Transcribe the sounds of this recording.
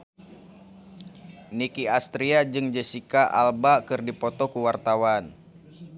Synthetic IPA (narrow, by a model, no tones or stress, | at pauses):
nikiast̪ɾiad͡ʒɨŋd͡ʒəsikaʔa̰lbakɨrdipɔt̪ɔkuwart̪awan